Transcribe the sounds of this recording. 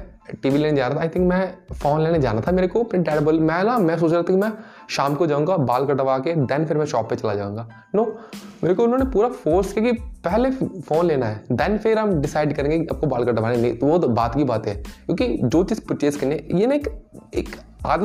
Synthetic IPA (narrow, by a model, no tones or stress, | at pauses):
ʈiːʋileːned͡ʒaːɾat̪ʰaːɪt̪ʰɪ̃ŋkmɛ̃foːnleːned͡ʒa̰ːnat̪ʰameːɾekopɪʈɛːɽɐbəlmɛ̃ːnamɛ̃s̬oːt͡ʃɾaːt̪ʰakimɛ̃ | ʃaːmkod͡ʒaːũːŋɡabaːlkɐʈɐʋaːked̪ɛ̃ːnpʰɪɾmɛ̃ʃɔːpːet͡ʃɐlad͡ʒa̰ːũːŋɡaː | noːmeːɾekoʊɪnɦõːnepuːɾafoːɾskekipɛɦlefoːnleːnaɦɛːd̪ɛːnpʰɪɾɦɐmɖɪsaːɪɖkɐɾẽːŋɡekiɐb̚kobaːlkɐʈɐʋaːnenĩt̪oʋbaːt̪kibaːt̪ɦɛːkjũːkid͡ʒoːt͡ʃiːzpʊt͡ʃeːskɐnejeːnaekeːka̰ːd̪